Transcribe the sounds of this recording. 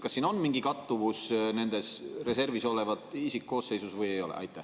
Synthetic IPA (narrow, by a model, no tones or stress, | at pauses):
kɑsːiːno̞nmiŋɡikɑt̪ːuvusne̞nd̪e̞sre̞se̞rviso̞le̞vɑt̪ˑisikko̞ːsːe̞jsusvɯjejo̞lḛʔɑ̰jt̪ːˑæh